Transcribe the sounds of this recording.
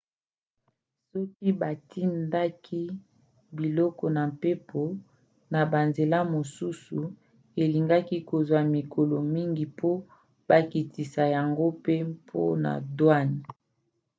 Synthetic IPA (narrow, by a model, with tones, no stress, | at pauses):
sɔ˦ki˦ba˨tʰi˦nda˦kʰi˦ | bi˨lɔ˦kɔ˨na˨mpe˦pʰo˨ | na˨ba˨nze˨la˦mo˨su˦su˨ | e˨li˨ŋɡa˦ki˦ko˨zwa˨mi˨ko˨lɔ˨mi˦ŋɡi˨pʰo˦ | ba˨ki˨tʰi˨sa˨ja˨ŋɡo˦pe˦pʰo̰˦na̰˨dwa˦ni˨